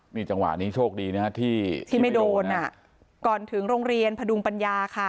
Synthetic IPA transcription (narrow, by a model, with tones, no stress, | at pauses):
miː˧t͡ɕa˧ŋwa̰˨˩niː˦˥t͡ɕʰoː˥˩k̚diː˧naː˦˥t̪ʰiː˥˩t̪ʰiː˥˩ma˥˩jdoː˧nʔa˨˩ | kɔː˨˩nt̪ʰɯ˩˦ŋɾoː˧ŋɾi˧ənpʰa˧du˧ŋpa˧njaː˧kʰa˥˩